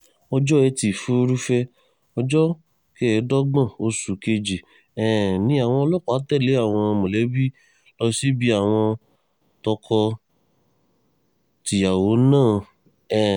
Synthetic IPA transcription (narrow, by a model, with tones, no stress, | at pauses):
ɔ˧d͡ʒɔ˦ɛ˧ti˨fu˦˧ɾu˦fɛ˦ | ɔ˧d͡ʒɔ˦ | ke˦ɛ˨˦dɔ˦ɡ͡bã˦˨o˧su˨ke˧d͡ʒi˨ | ɛ˨nĩ˨˦a˨w̃ɔ̃˧lɔ˦˨kːtɛ˦˨le˨˦a˦˨w̃ɔ̃˧mõ˨lɛ˨˦bi˦ | lɔ˧si˦bi˦a˦˨w̃ɔ̃˧ | tɔ˧kʰɔ˧ | ti˨ja˨wo˨˦nãː˦˨ | ɛ˨